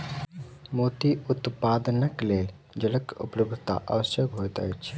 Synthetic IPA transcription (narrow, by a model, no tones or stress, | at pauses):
mot̪iut̪paːd̪ənəkleːl | d͡ʒələkṵpləb̚d̪ʱt̪a̰ʔə̰ʋəsjəkɦot̪ə̰jt͡ʃʰ